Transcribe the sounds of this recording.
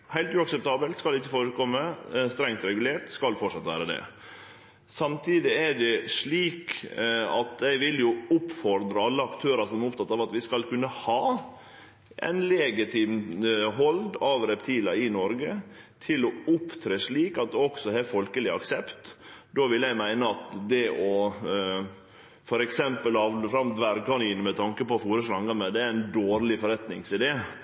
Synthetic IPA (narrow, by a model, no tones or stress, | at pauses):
hæɪt̪ʉːɑksɛp̚t̪ʰɑːbəlt̪skɑlɪçːəfoːɾəkʰɔmːəst̪ɾɛŋt̪ɾɛɡʉleːɾʈ̪skɑlfɔʈʂɑt̪ʋæ̰ːɾəd̪ɛ̰ | sɑmt̪ʰiːd̪ɪæɖɛʂɭiːk | ɑ̰t̪ɛɪʋɪljʊʊpfɔɾd̪ɾəɑlːəɑkt̪ʰøːɾɑsɔmæɾʊpt̪ʰɑt̪ːɑːʋɑt̪ʋɪskɑlkʉnːəhɑː | ʔɛ̰ɪnlɛːɡɪt̪ʰɪːmɦɔld̪ɑʋɾɛpt̪ʰiːlɑɪnɔɾɡət̪ʰɪlɔʊpt̪ʰɾeːʂɭiːkɑt̪̚d̪ɛɔksɔhɛfɔlkəlɪɑksɛpt̪d̪oːʋɪljæɪmæɪnəɑt̪d̪ɛʔɔ | fɔɾɛksɛmpəlɑʋfɾɑmd̪ʋæɾɡɑniːnmɛt̪ʰɑŋkəpɔfuːɾəʂɾɑŋɡɑmɛd̪ɛæɾɪnd̪oːɾlɪfɔɾɛt̪nɪŋsɪd̪ɛ